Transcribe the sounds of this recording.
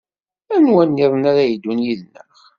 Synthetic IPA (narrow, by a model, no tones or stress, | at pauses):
ænwænːiɾˤənaɾæjid̪ːunjiðnəχ